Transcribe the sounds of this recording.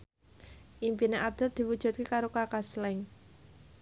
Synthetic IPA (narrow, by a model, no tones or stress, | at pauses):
ʔimpineʔab̚d̪̥ɛld̪̥i̤wud̥ʒ̥ṳt̪̚kekaɾokakaslɛŋ